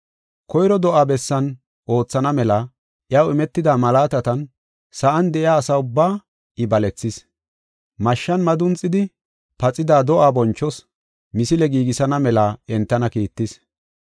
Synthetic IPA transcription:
kɔjɾɔd̪ɔʔaːbɛsːɐn | ʔo̞ːt͡sːɐnɐmɛlɐ | ʔjɐwɪmɛt̪ːɪd̪aːmɐlaːt̪ɐt̪ɐn | sɐʔɐnd̪ɛʔɪaːsɐʊbːaː | ɪbɐlɛt͡sːɪs | mɐʃːɐnmɐd̪ʊnt͡sʼːɪd̪ɪ | pɐt͡sʼːɪd̪aːd̪ɔʔaːbɔnt͡ʃːɔs | mɪsɪlɛɡiːɡɪsɐnɐmɛlɐɛnt̪ːɐnɐkiːt̪ːɪs

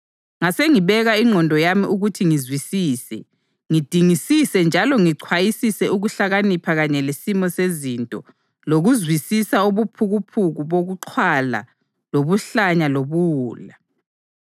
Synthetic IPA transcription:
ŋaseŋiβɛɣaiŋ͡ǃʱɔndʱɔjamiʔuɣutʰiŋizwisiːsɛ | ŋid̥ʱiŋisisɛnd͡ʒʱalɔŋiǀʰwajisisɛuɣuɬaɣanipʰaɣaɲɛlesimɔsezintʼɔ | loɣuzwisisauβupʰuɣupʰuɣuβoɣuǃʰwala̰ | loβuɬaɲaloβuːla

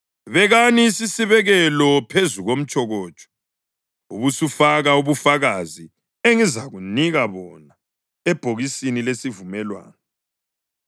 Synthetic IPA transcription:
βɛɣaniːsisiβɛɣɛlɔpʰezuɣom̩t͡ʃʼɔɣɔːd̥t͡ʃʼɔ̥ | uβusufaɣauβufaɣazi | eŋizaɣuniɣaβɔna | ɛb̥ʱoɣisinilesivumɛlwa̰ːnɔ

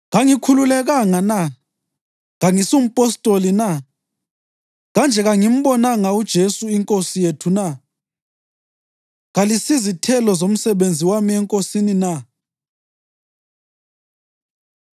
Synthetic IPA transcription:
ɣaŋikʰululɛɣaŋana | ɣaŋisum̩pʼɔstʼolina | ɣand͡ʒʱɛɣaŋim̩ɓɔnaŋaud̥ʒ̥ʱesuiŋkʼosijetʰuna | ɣalisizitʰɛlɔzom̩sɛβend͡zʱiwamiɛŋkʼosinina

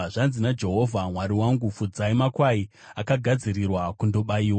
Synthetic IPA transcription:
ʐanzinad͡ʒe̞ɦo̞vʱamwaɾiwaŋɡufud͡zaimakwai | akaɡʱad͡zirirwakundo̞ɓaiːwa

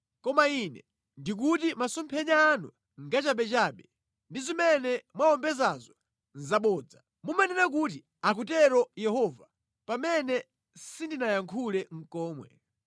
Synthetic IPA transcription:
kɔmainɛ̰ | ndik̬utimasɔmpʰɛɲaːnṵ | ŋɡat͡ʃaɓɛt͡ʃaːɓɛ | ndizimɛnɛmwaɔmbɛzazɔ | nzaɓɔːd͡za | mumanɛnak̬uti | ak̬utɛɾɔjɛhɔva | pamɛnɛ | sindinajaŋkʰulɛŋ̩kɔːmwɛ̰

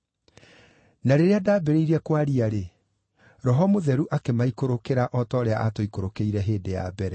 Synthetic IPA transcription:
naɾeɾeadaːbeɾeiɾɛkwaɾiaɾe | ɾɔɦɔmoðɛɾuʔakemaikoɾokeɾaʔɔtɔːɾea̰ʔatoikoɾokeiɾɛɦeːdeja̰bɛɾɛ

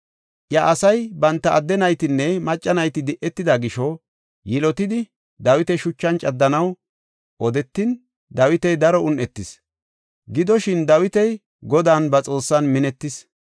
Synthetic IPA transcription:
ʔjɐʔɐsɐjbɐnt̪ːɐʔɐd̪ːɛnɐjt̪ɪnːɛmɐt͡ʃʼːɐnɐjt̪ɪd̪ɪʔɛt̪ːɪd̪aɡɪʃɔ | jɪlɔt̪ɪd̪ɪ | d̪ɐwɪt̪ɛʃʊt͡ʃːɐnt͡ʃʼɐd̪ːɐnɐw | ʔɔd̪ɛt̪ːɪn | d̪ɐwɪt̪ɛjd̪ɐɾɔʊnʔɛt̪ːɪs | ɡɪd̪ɔʃɪnd̪ɐwɪt̪ɛj | ɡɔd̪aːnbɐt͡sʼo̞ːsːɐnmɪnɛt̪ːɪs

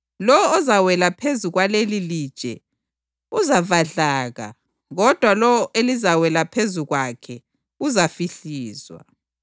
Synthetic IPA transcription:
lɔwːzawɛlapʰezuɣwalelilid̥ʒ̥ʼʱɛ̰ | uzavaɮaːɣa̰ | ɣɔd̥ʱwalɔwɔelizawɛlapʰezuɣwakʰɛ | uzafiɬiːzwa̰

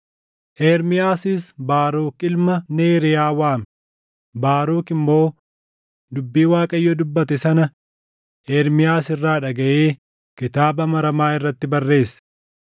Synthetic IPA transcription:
ʔeːɾmɪjaːsɪsbaːɾuːkɪlmɐneːɾɪjaːwaːmɛ | baːɾuːkɪmːo̞ː | d̪ʊbːiːwaːkʼɐjːod̪ʊbːɐt̪ɛsɐnɐ | ʔeːɾmɪjaːsɪrːaːᶑɐɡɐʔeː | kɪt̪aːbɐmɐɾɐmaːɪrːɐt̪ːɪbɐrːe̞ːsɐ̥

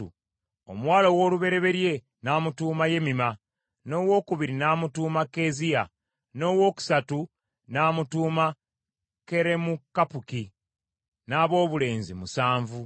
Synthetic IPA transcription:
ṵ | omwaːlowo̞ːluβe̞ɾe̞βe̞ɾje̞ | naːmutuːmaje̞mima | no̞ːwo̞ːkuβiɾinaːmutuːmake̞ːzija | no̞ːwo̞ːku̥satu | naːmutuːma | ke̞ɾe̞mukːapuki | naːβo̞ːβule̞ːnzimusaːɱvu

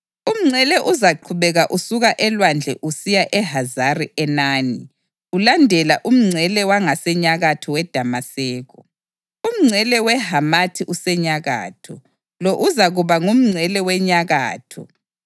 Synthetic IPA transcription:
um̩ŋ͡ǀʱɛlɛʔuzaǃʰuβɛɣaʔusuɣaʔɛlwand͡ɮʱɛʔusijaʔɛɦazariʔɛnaːni | ulandʱɛlaʔum̩ŋ͡ǀʱɛlɛwaŋasɛɲaɣatʰɔwɛd̥ʱamasɛːɣɔ | um̩ŋ͡ǀʱɛlɛwɛɦamatʰiʔusɛɲaɣa̰ːtʰɔ | loʔuzaɣuβaŋum̩ŋ͡ǀʱɛlɛwɛɲaɣa̰ːtʰɔ̰

